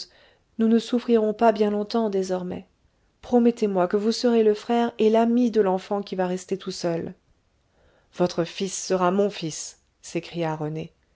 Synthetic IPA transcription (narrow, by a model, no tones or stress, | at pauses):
nunəsufχiʁɔ̃pabjɛ̃lɔ̃t̪ɑ̃d̪ezɔʁmɛ̰ | pχɔmɛt̪emwakəvusəʁeləfχɛʁelamid̪əlɑ̃fɑ̃kʲivaʁɛst̪et̪usœl | v̥ɔt̪χəfisːəʁamɔ̃fisː | ekχijaʁəne